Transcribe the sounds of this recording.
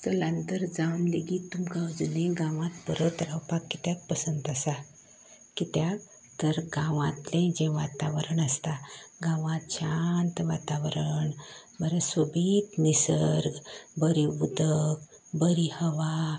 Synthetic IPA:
t̪əlãnt̪əɾd͡zawnleɡit̪ːumkawd͡zunẽɡãʋãt̪pəɾət̪ɾawpakːit̪jak̪̚pəsənt̪əsa | kit̪jak̚ | t̪əɾɡãʋãt̪lẽd͡ʑɛ̃ʋat̪aʋəɾəɳəst̪aɡãʋãt̪t͡ɕʰant̪ʋat̪aʋəɾəɳ | bəɾəsobʱit̪nisəɾɡbəɾiʋud̪ʱək | bəɾihəʋa

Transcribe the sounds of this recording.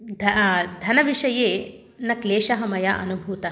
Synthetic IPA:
d̪ʱd̪ʱɐnɐʋiʂɐjeː | nɐkleːʃɐɦɐmɐjɐʔɐ̰nubʱuːt̪ɐ

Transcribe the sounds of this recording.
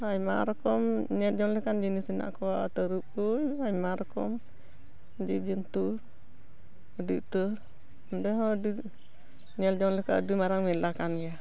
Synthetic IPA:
ajma̰ɾkɔmɲɛld͡ʒɔŋləkand͡ʒinisina̰ʔkɔat̪əɾup̚ujajmaɾkɔ̰m | d͡ʒid͡ʒint̪u | ədiʔt̪ə | ndɛɦɔdi | ɲɛld͡ʒɔŋləka̰dimaɾaŋmilakanja

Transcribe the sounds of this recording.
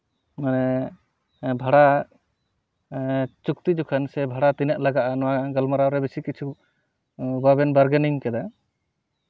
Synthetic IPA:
manɛ | bʱaɽa | t͡ʃuk̚t̪id͡ʒɔkʰansɛbʱaɽat̪inɛʔ̚laɡaʔanɔwaɡəlmɔɾaɾɛbesikit͡ʃʰu | babɛnbəɾɡɛniŋkɛd̪a

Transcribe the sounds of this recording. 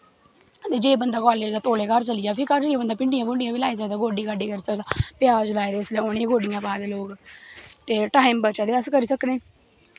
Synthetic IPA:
t̪eːd͡ʒeːbənd̪aːkaːleːd͡ʒd̪aːt̪oːleːkəɾt͡ʃəlɪjaːpʰɪkəɾd͡ʒiaːbənd̪aːpɪɳɖɪjãːbʊɳɖɪjãːbiːlaːiːs̬əkd̪aːɡoːɖiːkaɖiːkəɾiːsəkd̪aːpɪjaːd͡ʒlaːed̪eːslɛːʊnẽːɡoːɖɪjãːbaːd̪eloːɡt̪eːʈaːɪmbət͡ʃaːd̪eːəskəɾiːsəkneː

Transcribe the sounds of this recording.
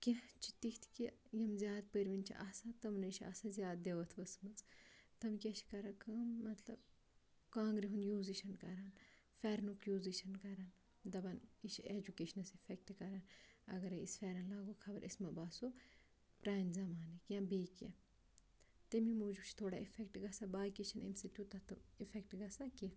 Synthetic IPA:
kʲet͡ʃʰi̥t̪ikt̪ʰkijɐmzjaːd̪pəɾʋint͡ʃʰḭʔasat̪ɐmnɐʃʰia̰sazʲjaːd̪̚d̪eʋɐt̪ʰʋɐsmɨt͡st̪ɐmkʲeʃʰi̥kɐɾakɐmːɐt̪lɐb | kãːŋɡɾiɦund̪juːziʃɐnkɐɾaːn | fɛːɾnukjuːziʃɐnkɐɾaːn | d̪ɐbɐniʃʰeːd͡ʒukeːʃɐnɐsifʰek̚ʈkɐɾaːnɐ̰ɡɐɾeisfɛːɾɐnlaːɡokʰɐbɐɾʔḭsmɐbaːso | pɾaːjnzɐmaːnikjãːbeːkḛ | t̪emimoːd͡ʒubt͡ʃʰt̪ʰoːɽaifʰek̚ʈɡɐsabaːkeʃʰɐnḭnsitʲjuːt̪ɐt̪ɨifʰekʈɡɐsaki

